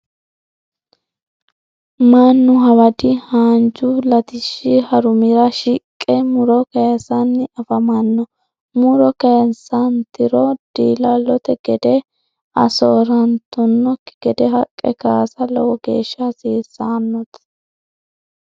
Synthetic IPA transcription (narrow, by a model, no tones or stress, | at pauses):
mɐnːʊɦɐwɐd̪ɪhaːnd͡ʒʊlɐt̪ɪʃːɪhɐɾʊmɪɾɐʃɪkʼːɛmʊɾɔkɐjɐsɐnːɪɐfɐmɐnːɔ | mʊɾɔkɐjɐsɐnt̪ɪɾɔd̪̥iːlɐlɔt̪ɛɡ̥ɛd̪ɛ | ɐ̰soːɾɐnt̪ɔnːɔkːɪɡ̥ɛd̪ɛɦɐkʼːɛ̰kaːsɐlɔwɔɡḛːʃːɐsiːsːaːnːɔt̪